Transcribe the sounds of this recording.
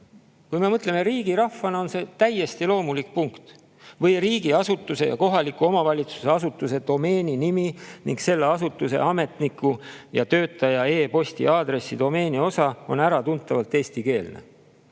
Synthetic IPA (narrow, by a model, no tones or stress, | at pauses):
kujme̞mɤt̪le̞me̞ɾiːɡiɾɑfːɑnɑo̞nse̞ːt̪æje̞st̪ilo̞ːmulik̚puŋkt̪ | vɤjriːɡ̥iɑsut̪ːˑuse̞jɑ̰ko̞ɦɑlikːˑuo̞mɑvɑlʲit̪su̥seɑsut̪ːˑuse̞d̪̥o̞me̞ːnʲiniminiŋɡse̞lːeɑsut̪ːˑuse̞̰ʔɑme̞t̪nikːˑu | jɑt̪ø̞ːt̪ːˑɑjɑe̞ːpo̞st̪ḭɑːd̪re̞sːid̪̥o̞me̞ːnʲio̞sɑo̞næɾɑt̪unt̪ːˑɑvɑlt̪eːst̪ike̞ːlne̞̰